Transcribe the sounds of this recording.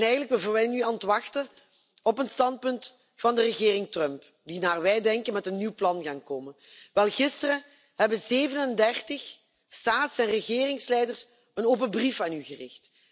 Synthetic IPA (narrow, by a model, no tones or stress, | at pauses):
nɛjɣənlək̚bəvʋɛjnyɑntʋɑxtə | ɔpənstɑnt̚pɵnt | fɑndərəɣɪːrɪŋtrœmp | dinaːrʋɛjdɛŋkənmɛtənːiwplɑnɣaːnkoːmənʋɛlˠɣɪstərə | hɛbəzeːvənəndɛrtəx | staːtsɛnrəɣɪːrɪŋslɛjdərs | ənoːpəbrifaːnyɣərɪxt